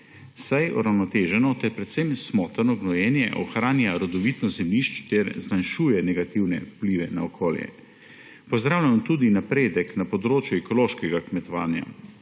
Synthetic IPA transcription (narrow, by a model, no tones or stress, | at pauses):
sajɔ̰ɾawnɔt̪eːʒɛnɔt̪ɛɾpɾɛt̪semsmɔt̪aɾnɔɡnɔjɛnjɛ̰ʔɔxɾaːnjaɾɔd̪ɔʋit̪nɔzɛmliʃt͡ʃt̪ɛɾzmanʃuːjɛnɛɡat̪iwnɛ̰pliʋɛnaokʰoːljɛ̰ | pɔzd̪ɾaːwlʲjant̪uːd̪inapɾeːd̪ɛknapɔd̪ɾoːt͡ʃjuɛkɔloːʃkɛɡakmɛt̪ɔʋa̰ːnja̰